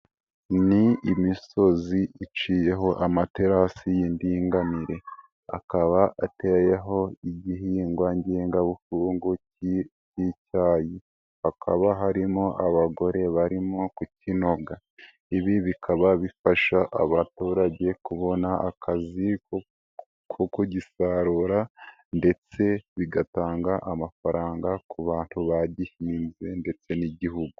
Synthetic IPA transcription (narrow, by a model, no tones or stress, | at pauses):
niimiso̞ziit͡ʃije̞ɦo̞ʔamate̞ɾasijindiːŋɡaniɾe̞ | a̰kaβaʔatejeɦo̞iɟihiːŋɡwaɲɟeːŋɡaβufuːŋɡucicicaːji | hakʰa̰βaɦaɾimoʔaβaɡo̞ɾe̞βaɾimokucino̞ɡa | iβiβikʰaβaβifaʃaʔa̰βatuːɾaɟe̞kuβo̞naakʰazi | kʰokuɟisaɾuɾa | nde̞t͡se̞βiɡataːŋɡaʔamafaɾaːŋɡakuβaːn̥thuβaɟihiminze̞nde̞t͡se̞niɟiɦuɡu